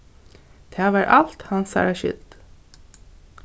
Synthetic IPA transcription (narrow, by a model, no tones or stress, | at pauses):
d̪̥ʰæːʋɑːɾʔɑlt̪hɑnsæ̰ːɾaʃʏ̰ld̪̥